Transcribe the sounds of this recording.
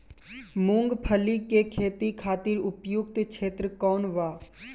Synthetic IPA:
mʊ̃ŋɡpʰəlikekʰeːt̪ikʰaːt̪ɪɾʊpjʊkt̪kʃeːt̪ɾəkɔːnʋaː

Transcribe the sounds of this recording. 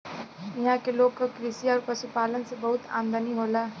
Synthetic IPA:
ɪɦãkeloːɡkokɾisiɔːɾpəsupaːlənsebəɦʊt̪a̰ːnd̪ʱəniɦoːlaː

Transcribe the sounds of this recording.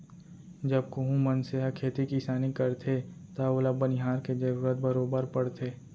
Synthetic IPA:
d͡ʒɐb̚koɦũmənseɦakʰeːt̪ikisaːnikɐɾt̪ʰet̪aoːlabənɪɦaːɾked͡ʒeʋɡət̪̚bəɾoːbəɾpɐɽt̪ʰeː

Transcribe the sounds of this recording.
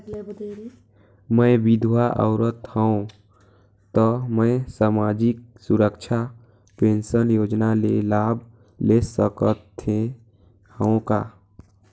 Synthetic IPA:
mə̃bɪd̪ʱwaʔə̰ʊɾət̪həõ | t̪ɔmə̃saːmaːd͡ʒɪk̚sʊɾəkʃʰa | pẽːnsənjoːd͡ʒnalelaːbʱ | lesəkət̪ʰːe | həõkaː

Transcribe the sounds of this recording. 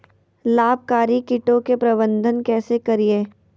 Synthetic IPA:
laːb̚ʱkaːɾikɪʈõkepɾɐbə̃nd̪ʱənkɛːsekɐɾieː

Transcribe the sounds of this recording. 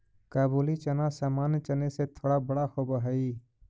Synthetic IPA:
kaːbuːlit͡ʃənasaːmaːnt͡ʃəneset̪ʰoːɽabəɽahobəɦaːiː

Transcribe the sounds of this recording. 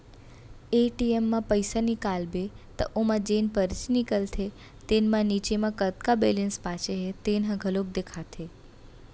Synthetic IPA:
eʈiemːãpəjsanikalbe | t̪ə̰ʔomãd͡ʒenpəɾt͡ʃnikəlt̪ʰe | t̪enmãnit͡ʃemãkət̪kabelenspat͡ʃeɦet̪enɦãɡʱəlob̚d̪ekʰat̪ʰe

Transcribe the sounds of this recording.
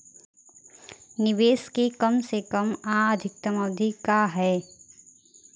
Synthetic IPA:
nɪʋeːskekɐmsekəmaːəd̪ʱɪk̚t̪əmɐd̪ʱikaɦɛː

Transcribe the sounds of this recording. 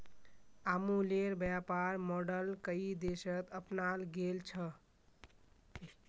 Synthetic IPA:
amuleɾbjapaɾmɔɖəlkəid̪esət̪əpnalɡelt͡ʃʰə

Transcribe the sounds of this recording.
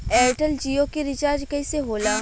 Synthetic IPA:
ɛːʈəld͡ʒiːokiɾɪt͡ʃaːɾd͡ʒkɐiseɦoːla

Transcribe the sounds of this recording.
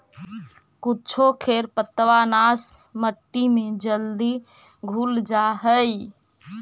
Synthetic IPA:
kutːt͡ʃʰokʰeɾpət̪ːʋanasməʈːimed͡ʒəld̪i | ɡʱuld͡ʒaɦəj

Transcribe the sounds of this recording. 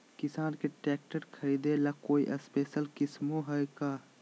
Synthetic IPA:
kɪsaːnkeʈɛːk̚ʈəɾkʰɐɾiːd̪elakoːiʔɐspeːʃəlkɪsmoɦɛkaː

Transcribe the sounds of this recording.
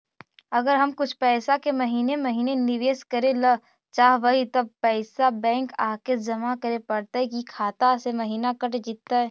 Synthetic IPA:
ɐɡəɾɦɐmkʊt͡ʃʰpɛːsakemɐɦiːnemɐɦiːnenɪʋeːskɐɾelɐ | t͡ʃaːɦʋɐɦit̪ɐb̚pɛːsabɛ̃ːŋkaːked͡ʒɐmakɐɾepɐɽt̪aɦɛkikʰaːt̪asemɐɦiːnakɐʈd͡ʒɪt̪ːaɦɛː

